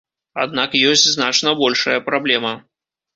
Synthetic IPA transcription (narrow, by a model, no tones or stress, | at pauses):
ad̪̚nakjɔsʲt͡sʲznat͡ʂnɐbɔlʲʂɐ̰jɐpɾablʲɛmɐ